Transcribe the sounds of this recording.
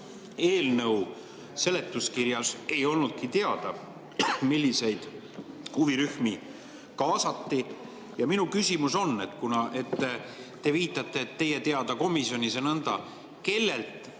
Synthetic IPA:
e̞ːlnɤw | se̞le̞t̪ːˑuskiɾjɑse̞jo̞lnud̪̥̚kit̪e̞ɑd̪̥ɑ | milːise̞jd̪̥ | huviɾyhmi | kɑːsɑt̪ːi | jɑminukysʲimuso̞nːe̞t̪ːkunɑʔe̞t̪ː | e̞viːt̪ˑːɑt̪ːˑe̞t̪ːe̞jet̪e̞ɑd̪̥ɑko̞misio̞nʲisenɤnd̪̥ɑ̰ | ke̞lːe̞lt̪

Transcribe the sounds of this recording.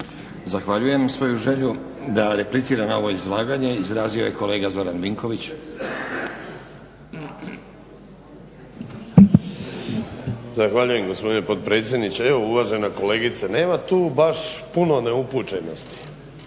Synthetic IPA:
zaxʋaʎuje̞namsʋo̞juʒe̞ʎu | d̪aɾe̞plit̪siːɾanao̞ʋo̞izlˠaːɡaɲe̞izɾaːzio̞̰jeko̞le̞ːɡazo̞ɾanʋiŋko̞ʋit͡ɕ | zaxʋaʎuje̞mɡospo̞d̪inepot̪̚pɾe̞ːt̪sjed̪nit͡ɕeeʋouʋaʒe̞nako̞le̞ːɡit̪sane̞ːmat̪uːbaʃpuno̞neuput͡ʃeno̞st̪i̥

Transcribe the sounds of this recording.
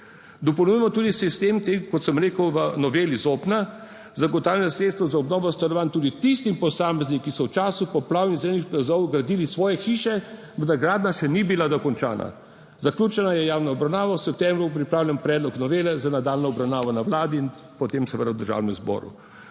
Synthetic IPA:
d̪ɔpɔwnujɛmɔt̪uːd̪isist̪emt̪ekɔt̪səmɾeːkəwʋənɔʋeːlizopna | zaɡɔt̪aːwljɛnɔsɾet̪st̪ʋɔzaɔbnɔːbɔst̪alɔʋaːnt̪uːd̪it̪ist̪impɔsaːmɛznikisɔwt͡ʃaːsupɔplaːwnizenixplazɔwɡɾad̪iːlisʋɔːjɛxiːʃɛ | ʋənaɡɾaːd̪naʃɛnibilad̪ɔkɔnt͡ʃa̰ːna̰ | zaklʲuːt͡ʃɛnajɛjaːwnɔɔbɾawnaːʋɔwsɛp̚t̪ɛmbɾup̬ɾipɾaːwljɛmpɾɛːd̪lɔknɔʋeːlɛzanad̪aːlnɔɔbɾawnaːʋɔnawlaːd̪iːn | pɔt̪emsɛʋəd̪awd̪əɾʒa̰wnɛmzbɔ̰ɾṵ

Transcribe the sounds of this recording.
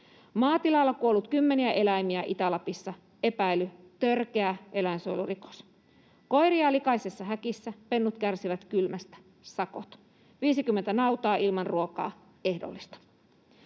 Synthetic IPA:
mɑːt̪ilɑlːɑkuolːut̪kymːe̞niæʔe̞læimiæʔit̪ælɑpisːɑ | e̞pæily | t̪ørkeæʔe̞læinsojluriko̥s | ko̞jɾiɑlikɑisesːɑɦækisːæpe̞nːut̪kærsiʋæt̪kylmæst̪æ̥ | sɑko̰t̪ | ʋiːsikymːent̪ænɑut̪ɑːʔilmɑnruokɑ̰ː | e̞hdo̰lːist̪ɑ̥

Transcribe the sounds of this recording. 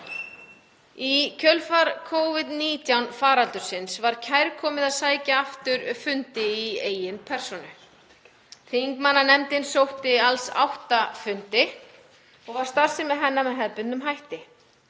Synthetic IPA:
icʰœlfaɾkʰoːwvɪt̪niːt̪jawnfaːɾalt̪ʏɾ̥sɪnsvaɾ̥cʰajɾkʰɔːmɪðaðsaːjcaaft̪ʏɾfʏnt̪ɪieːjɪnpʰɛr̥sɔnʏ | θiŋkmanːanɛmt̪ɪnsowht̪ɪalsa̰wht̪afʏnt̪ɪ | ɔɣvaɾ̥st̪ar̥sɪmːɛðɦɛnːamɛðɦɛðpʏnʏmɦajht̪ɪ

